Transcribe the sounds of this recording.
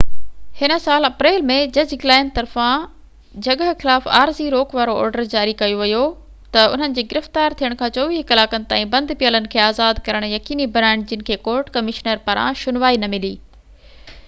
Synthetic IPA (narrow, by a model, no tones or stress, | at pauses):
hɪnə̆saːlɐpɾeːlmẽd͡ʑɐd͡ʑɡɪlaːɪnt̪ɐɾfã | d͡ʑɐɡəɦxɪlaːfa̰ːɾziɾoːkʋaːɾoɔ̰ːɾɖəɾd͡ʑaːɾikɐjoʋɐjo | t̪ɐʊn̤ənɪ̆d͡ʑeːɡɪɾɪft̪aːɾt̪ʰijəɽ̃kʰãːt͡ɕoːʋiːkɐlaːkənɪ̆t̪ã̰ːĩbɐ̃nd̪ʱpijələnɪ̆kʰeːaːzaːd̪kɐɾəɽ̃jɐkiːnibɐnaːɪɽ̃d͡ʑɪnɪ̆kʰeːkoːɾʈkɐmɪʃnəɾpɐɾã̰ʃʊnʋaːinɐmɪlḭː